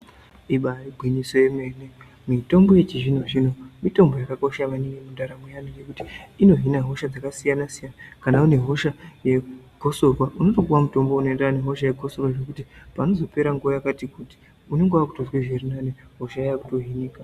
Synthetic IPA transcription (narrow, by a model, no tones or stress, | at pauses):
iɓariɡʱwiɲiso̞je̞meːne̞ | mito̞mbo̞jet͡ʃiʐino̞ʐino̞mito̞mbo̞jakako̞ʃamaniŋɡemundaɾamujanijekutiino̞ɦinaɦo̞ʃad͡zakasijanasijanakanaune̞ɦo̞ʃaje̞ɡʱo̞so̞rwaʔunotokuwamuto̞mbo̞unoendaaneɦo̞ʃaje̞ɡʱo̞sorwaʐe̞kutipano̞zo̞pe̞ɾaŋɡuojakatikuti̥ | uneŋɡeakutozweʐerinane | ɦo̞ʃaajaku̥to̞ɦiniːka